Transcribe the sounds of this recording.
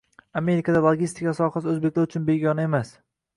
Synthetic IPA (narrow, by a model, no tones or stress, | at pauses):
ame̞ɾɪkʰad̪alˠoɡʲist̪ʰɪkʲasɒqasɵzbe̞kʲlaɾʊt͡ʃʰʊnbe̞ɡʲɒnae̞mas